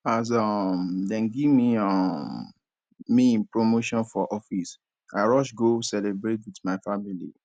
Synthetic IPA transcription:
as̬ɔmdɛ̃nɡimiɔmː | iĩnpɹomoʃɔ̃nfɔʔɔfis | aɪɹɔʃɡosɛlebɹetwitmaɪfamilḭ

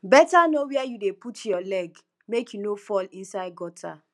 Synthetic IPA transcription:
bɛtanowɛajudeputʰjɔlɛɡ | mekjunofɔlĩnsaɪd̚ɡɔtʰa̰

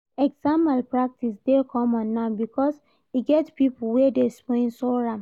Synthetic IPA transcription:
ɛɡzãmalpɹak̚tisdekʰɔ̃mɔ̃nːãbikʰɔs | iɡɛtpipl̩wɛdespɔ̃ĩnsoɹãm

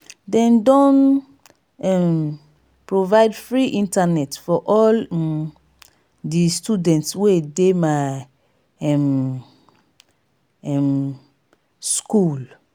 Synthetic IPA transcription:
dɛ̃ndɔ̃n | ɛm | pɹovaɪdfɹiʔĩntanɛtfɔʔɔl | distudɛ̃ntswedema | ɛm | ɛ̃m | skul

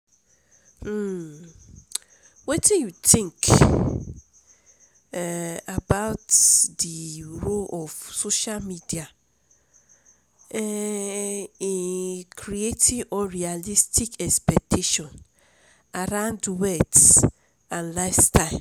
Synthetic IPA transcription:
wetijutĩŋk | abaʊtdiɾolɔvsoʃalmidia | ɛ | ikɾietʰiʔɔɾialistikɛspɛk̚tʰiʃɔ̃n | aɾãʊndwɛt | ãnlaɪfstaɪ

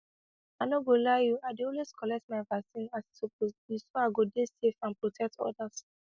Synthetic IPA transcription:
anoɡolajuaɪdeolweskʰɔlɛk̚tmaɪvasĩnasitopozjisoaɪɡodesefãnpɹotʰɛk̚tʰɔ̰das

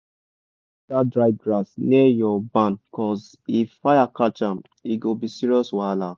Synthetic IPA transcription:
tadɹaɪvɡɹasnejɔbãnbikɔs | ifːajakat͡ʃãm | iɡobisiɹiɔswala

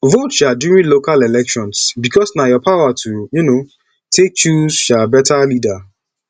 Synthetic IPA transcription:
votʃadjuɹĩnlokalelɛkʃɔ̃nsbikʰɔsnajɔpʰawatʰujuno | tʰek̚t͡ʃuzʃabɛtalida

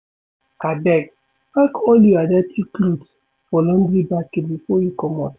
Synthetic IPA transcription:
kabɛɡ | pakɔljuadɛtʰiklut | fɔlɔ̃n̩bɾibaketbifɔjukɔmɔ̰t

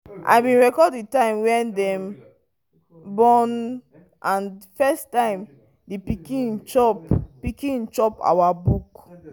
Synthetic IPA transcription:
ʔa̰ɪbĩnɹɛkɔdditãɪ̃mwɛ̃ndɛ̃m | bɔ̃n | ʔãnfɛstãɪ̃m | dipikĩnt͡ʃɔppikĩnt͡ʃɔpa̰wabuk

